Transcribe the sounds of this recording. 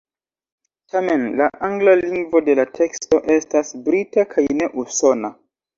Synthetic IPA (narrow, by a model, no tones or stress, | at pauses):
tʰame̞nlaʔaŋɡlaliŋɡvo̞de̞latʰe̞ksto̞ʔe̞stasbɾitakʰajne̞ʔuso̞na